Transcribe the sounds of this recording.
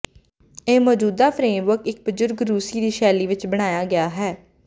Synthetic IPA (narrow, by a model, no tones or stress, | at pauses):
eːmɔːd͡ʒuːd̪aːpʰɾẽːmʋəɾkɪk̚bʊzʊɾɡɾuːsiːd̪iːʃɛːliːʋɪt͡ʃbəɽ̃aːjaːɡɪaːɦɛː